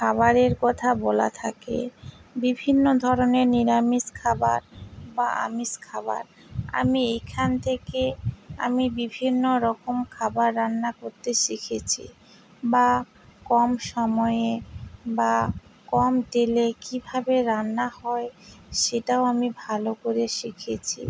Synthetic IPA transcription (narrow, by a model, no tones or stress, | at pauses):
kʰabaɾeɾkɔt̪ʰabɔla̰t̪ʰakḛbibʱinːod̪ʱɔɾoneɾniɾamiskʰaba̰ɾbaʔa̰miskʰaba̰ɾ | a̰miekʰant̪ʰekea̰mibibʱinːoɾɔkomkʰabaɾːanːakoɾt̪eʃikʰet͡ɕʰḭ | ba | kɔmʃɔmɔeebakɔmt̪elekibʱabeɾanːahɔeʃeʈaoamibʱalokoɾeʃikʰet͡ɕʰḭ